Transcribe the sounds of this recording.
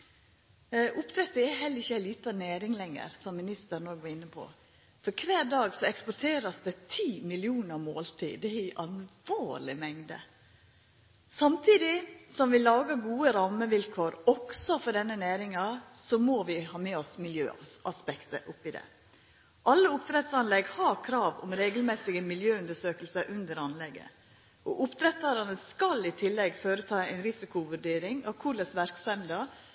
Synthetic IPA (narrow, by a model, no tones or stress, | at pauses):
ʔʊpt̪ʰɾɛt̪ːəæɦɛlːəɾɪçːəæliːt̪ɑnæːɾɪŋlɛŋə̰ɾsɔmːɪnɪst̪ənɔːɾɡʋɑɪnːəpʰɔ̰ | fɔɾkʰʋæːɾɖɑːɡsɔɛkspɔʈʰeːɾɑsd̪ɛt̪ʰiːmɪlɪuːnəɾmoːlt̪ʰḭːd̪ɛɪʔɑlʋoːɾɭɪmɛŋd̪ə̰ | sɑmt̪ʰiːd̪ɪsɔmʋɪlɑːɡəɡuːəɾɑːməʋɪlkʰoːɾɔksɔfɔɖɛnːənæːɾɪŋɑsɔmoːʋɪhɑːmeːɔsmɪljø̰ːɑspɛkt̪ə̰ʔʊpːɪd̪ɛ̰ | ʔɑlːəʊpt̪ʰɾɛt̪sɑnlɛɡhɑɾkʰɾɑːʋʊ̰mɾeːɡəlmɛsɪɡəmɪljøːʉnd̪əʂøːkəlsəʔʉnd̪əɾɑnlɛɡə̰ | ʔɔʔʊpt̪ʰɾɛt̪ɑɾɑnəskɑlɪt̪ʰɪlːɛɡføːɾət̪ʰɑːɛɪnɾɪsɪkʊʋʉɖeːɾɪŋɑ̰ʋkʰuləsʋæɾksɛnd̪ɑ